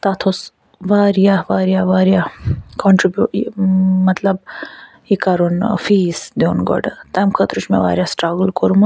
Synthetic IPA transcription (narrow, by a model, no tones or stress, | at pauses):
t̪at̪ʰos | ʋaːɾijaʋaːɾjaʋaːɾjakɔɳʈɾibju | mɐt̪lɐb | ikɐɾonfiːsd̪enɡɔ̰ɖt̪ɐmkʰət̪ɾut͡ʃmḛʋa̰ːɾjasʈɾaɡlkoɾum